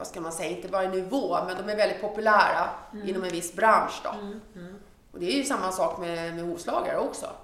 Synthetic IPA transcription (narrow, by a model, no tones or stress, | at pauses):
askanmansɛjːaɪnt̪əvɑːɾənːɪvoːmɛnd̪ɔmæɾvɛld̪ɪt̪̚pʰɔpɵlæːɾaɪnːɔmɛnvɪsːbɾanʂd̪ɔ̰ | ʔɔd̪ɛæɾjɵsamːasɑːkmɛmɛhuːvslɑːɡa̰ɾəɔksɔ̰